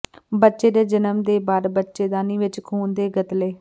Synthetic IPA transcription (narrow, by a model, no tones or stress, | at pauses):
bətːʃeːd̪eːd͡ʒənəmd̪eːbaːɾbətːʃeːd̪aːniːʋɪt͡ʃkʰuːnd̪eːɡət̪leː